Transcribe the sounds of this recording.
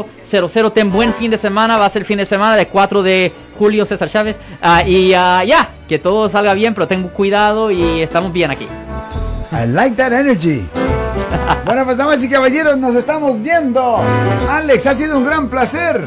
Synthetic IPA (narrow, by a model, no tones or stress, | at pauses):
seɾoseɾot̪eŋbwe̞nfind̪e̞semãnaβaseɾelfind̪esemãnaðekwat̪ɾoðe | xuljosesaɾt͡ʃaβesaiajaket̪oðos̬alɣaβje̞mpe̞ɾot̪eŋukwiðaðoiest̪amozbjenakḭ | ḛlajk̪̚d̪aɾeneɾʝi | bwenopweznamas̬ikaβaʝeɾonos̬est̪amozβjend̪oaleksas̬iðouŋɡɾamplaseɾ